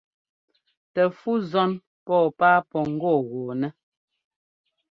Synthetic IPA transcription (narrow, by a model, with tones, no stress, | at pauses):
tɛ˨fu˦zɔ˦n | pɔː˦˨paː˦pɔ˨ŋ̩˦ɡɔː˦˨ɣoː˨nɛ˦